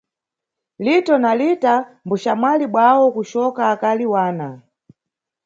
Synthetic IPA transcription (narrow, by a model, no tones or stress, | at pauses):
litɔnalitambuʃamwaliɓwawɔkuʃɔkaːkaliwaːna